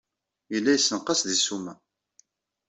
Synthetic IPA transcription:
jəlːæjəsːnqɑsðisumæ

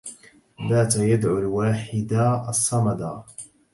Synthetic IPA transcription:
baːt̪ajad̪ʕulwaːħɪd̪aɑsˤːɑmɑd̪ɑ

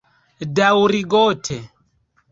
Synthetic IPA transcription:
dauɾiɡɔtʰɛ

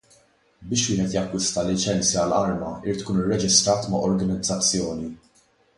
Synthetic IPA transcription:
bɪːʃwɪːhɛt̪jɐkːʊst̪ɐlɪt͡ʃɛnt͡sjɐɐlɐɾmɐɪɾiːt̪ːkuːnɪrːɛd͡ʒɪst̪ɾɐːt̪mɐʔɔɾɡɐnɪd͡zːɐt͡sːjɔːni

